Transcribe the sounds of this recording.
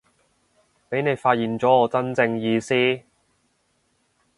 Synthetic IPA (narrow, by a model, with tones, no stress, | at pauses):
pe˨˥jne˨˧jfaː˧t̚jiː˨nt͡sɔː˨˥ɔː˨˧t͡sɐ˥nt͡sɪ˧ŋjiː˨˧siː˥